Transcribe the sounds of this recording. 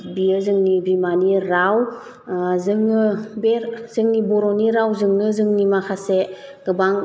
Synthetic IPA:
bijəzɯŋnibimaniɾaw | zɯŋɯbeɾzɯŋnibɔɾɔniɾawzɯŋnɯzɯŋnimakʰaseɡɯbaŋ

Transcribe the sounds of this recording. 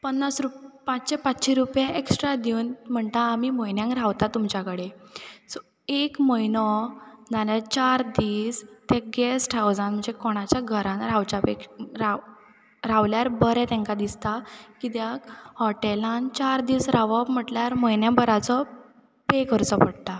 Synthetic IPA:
pənːasɾupãt͡ɕɕepat͡sɕiɾupjeʔeksʈɾad̪iwnm̤əɳt̪aːmiːməjnjãŋkɾaʋt̪at̪ːumt͡ɕjakəɽesɔ | ekməjnɔnalat͡ɕaɾd̪iːst̪eɡɛsʈʰawd͡zãnm̤əɳd͡zekɔɽ̃at͡ɕjaɡʱəɾãnɾaʋt͡ɕapekɾa | ɾaʋljaɾbəɾɛ̃t̪ɛ̃ŋkad̪ist̪akit̪jakhɔʈelãnt͡ɕaɾd̪iːsɾaʋapm̤əʈljaɾməjnjãbəɾat͡sɔ | pekəɾt͡sɔpəɽt̪a

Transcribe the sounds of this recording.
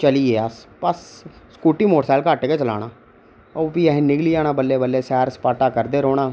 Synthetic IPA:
t͡ʃəlieːəspəsskuːʈiːmoːʈsaːlkaːʈeːket͡ʃəla̰ːɽaː | opiɛːɦnɪkliːaːnaːbəlːeːbəlːeːsɛːɾspaːʈaːkəɾd̪eːɾoːɽ̃aː

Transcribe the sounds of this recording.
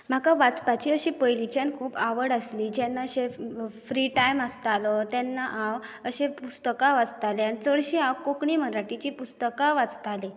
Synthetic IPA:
m̤akaʋat͡spat͡ɕiːəɕiːpəjlit͡ɕjankʰuːpaʋəɽəsliːd͡ʑɛnːaəɕefɾiʈajməst̪alɔt̪ɛnːaʔawəɕepust̪əkaʋad͡zt̪aleanit͡səɭɕiawkokɳiːməɾaʈit͡ɕiːpust̪əkaʋad͡zt̪ale

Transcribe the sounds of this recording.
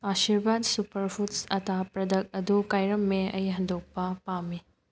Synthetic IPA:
asiɾbadsupɐɾpʰutsɐtapɾɐdɐk̚ɐdukajɾɐmːeɐjɦɐndok̚pɐpami

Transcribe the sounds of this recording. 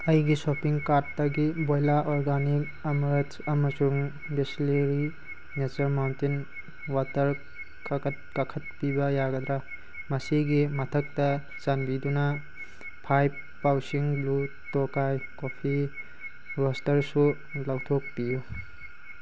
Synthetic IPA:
ɐjɡisopiŋkaɾtːɐɡibojlaʔoɾɡanik̚ | ɐmɾtsɐmɐsuŋ | besleɾi | net͡ʃɐɾmawntin | watɐɾ | kakɐt̚kakʰɐt̚pibɐjaɡɐd̪ɾa | mɐsiɡimɐtʰɐk̚tɐ | zanbidunɐ | pʰajb̚ | pːawsiŋblu | tokajkopʰi | ɾostɐɾsu | lawtʰok̚piju

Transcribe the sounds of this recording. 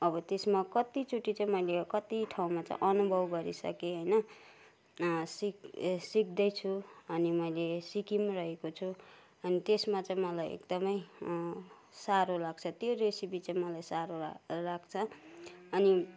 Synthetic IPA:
ʌbʌt̪esmakʌt̪it͡suʈit͡sʌĩmʌjlekʌt̪iʈʰaw̃mat͡sã̰ʔʌnubʱʌbɡʌɾisʌ̰keɦʌjnʌ | siksik̚d̪ʌjt͡sʰuʌnimʌjlesikimrʌɦekot͡sʰu | ʌnit̪esmat͡sʌĩmʌlajḛkd̪ʌmʌj | saɾolaɡ̚t͡sʰʌt̪joɾesibit͡sajmʌlajsaɾolak̚t͡sʰʌː | ni

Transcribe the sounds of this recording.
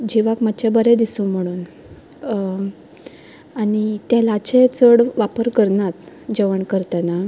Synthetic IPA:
d͡ʑiʋakmət͡ɕebəɾed̪isũm̤əɽ̃uːn | aɽ̃it̪jalaat͡ɕet͡səɽʋapəɾkəɾnat̪ | d͡ʑeʋəɳkəɾt̪ana

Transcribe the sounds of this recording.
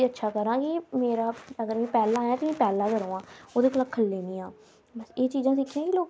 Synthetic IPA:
iətːʃʰaːkəɾãːkɪmeːɾaːəɡəɾmɛ̃ːpɛːlãːjãːt̪ːmɛ̃ːpɛːlãːkəɾõːãːoːd̪eːkəlaːkʰəlːeːniːãː | bəseːt͡ʃiːzãːsɪkʰːãːkiloːk

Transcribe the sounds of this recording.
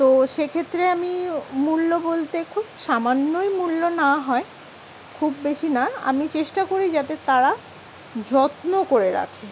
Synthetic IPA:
t̪oʃekʰet̪ːɾeamimulːobolt̪ekʰubʃamanːojmulːonaɦɔe | kʰubːeʃinaa̰mit͡ɕeʃʈakoɾid͡ʑat̪et̪aɾa | d͡ʑɔt̪nokoɾeɾa̰kʰe

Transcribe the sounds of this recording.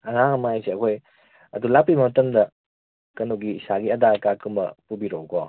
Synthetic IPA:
ɐŋaŋmajseɐkʰoj | ɐdulapːibɐmɐtɐmdɐ | kɐnuɡiːsaɡiɐdakakɯmbɐ̰pubiɾowkɔ

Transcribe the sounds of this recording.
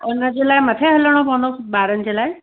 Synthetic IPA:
ʊnəd͡ʑeːlaːɪmɐt̪ʰeɦələɽ̃opɐʋə̃nd̪oːsɓaːɾənɪ̆d͡ʑeːlaːɪ

